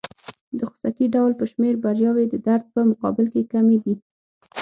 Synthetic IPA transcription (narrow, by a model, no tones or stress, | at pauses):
d̪əxʊ̥sakiɖawlpəʃmeɾbaɾjɑwed̪əd̪aɾd̪̚pəmʊqɑ̰bɪlkekamed̪i